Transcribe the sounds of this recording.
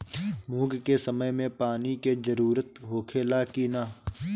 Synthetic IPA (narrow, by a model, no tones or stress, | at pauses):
muːɡkesəməmẽpaːniked͡ʒəɾuːɾət̪ɦoːkʰeːlakinaː